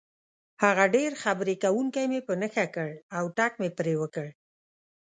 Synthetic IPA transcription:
haɣaɖeɾxabɾekawuŋkajmepənəxakəɽawʈak̚mepɾewəkəɽ

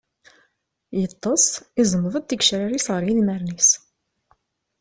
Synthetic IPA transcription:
jət̪ˤːəsˤizˤəmːəðˤd̪t̪ːəkʃɾaɾisʁəɾilmæɾnis

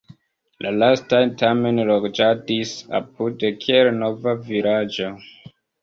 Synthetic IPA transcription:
lʔalastajntame̞nloɡd͡ʒadisa̰p̚udekʰielno̞vaviɾad͡ʒo

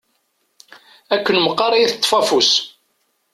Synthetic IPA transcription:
ækʷːənməqːɑɾˤɑjiθət̪ˤːfɑfus

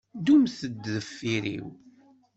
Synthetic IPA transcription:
d̪umθəd̪ðəfːiɾḭw

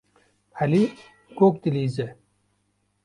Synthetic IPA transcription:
ɐli | koːk̚t̪iliːze

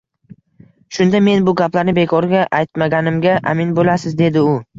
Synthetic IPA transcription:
ʃʊnd̪ame̞nbʊɡʲaplaɾnɪbe̞kʰɒɾɡʲaʔajt̪maɡʲanɪmɡʲaʔa̰mɪnbolasɪzd̪e̞d̪ɪʊ

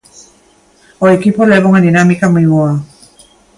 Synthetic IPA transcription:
ojkipoleboŋaninamikamɯjɔa

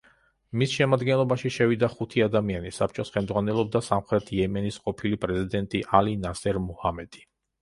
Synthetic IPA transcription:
misʃɛmad̪ɡɛnlˠɔbaʃiʃɛvid̪aχut̪ʰiad̪amianisap̚t͡ʃʼɔsχɛlmd̪zʁwanɛlˠɔb̚d̪asamχɾɛt̪ʰjɛmɛnisqʼɔpʰilipʼɾɛzid̪ɛnt̪ʼiʔalinasɛɾmuhamɛd̪̥i̥

